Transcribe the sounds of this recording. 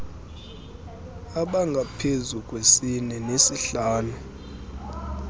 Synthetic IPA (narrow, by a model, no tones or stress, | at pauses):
aɓaŋɡʱapʰezukʼwesinɛnesiɬaːlu